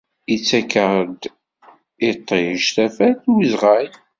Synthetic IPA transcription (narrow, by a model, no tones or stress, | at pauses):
it͡sːækːəʁd̪ | ɪt̪ˤːeʃθæfæθwizʁaj